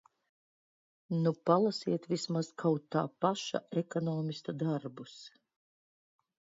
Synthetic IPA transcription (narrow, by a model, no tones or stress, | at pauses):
nupalˠasiɛt̪vismaskʰawt̪t̪ːa̰ːpaʃa̰ekɔnɔːmist̪ud̪aɾbus